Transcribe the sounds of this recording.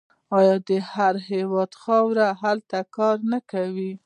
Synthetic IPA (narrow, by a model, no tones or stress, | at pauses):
ɑjɑd̪əhaɾhewɑd̪xɑwɾaɦalt̪akɑɾnakawi